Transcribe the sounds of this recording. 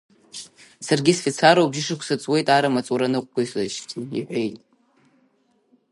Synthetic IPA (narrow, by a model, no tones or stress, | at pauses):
sarɡʲisfit͡sʰaɾowbʒɪʂɨkʷʰsat͡sʼwe̞jtʼaɾamat͡sʼuɾanɨqʷʼkʷasaʃtʰiḭħʷe̞jtʼ